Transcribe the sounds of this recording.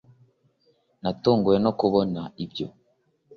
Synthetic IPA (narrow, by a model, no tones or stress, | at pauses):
natuːŋɡujeno̞kuβonaibjo̰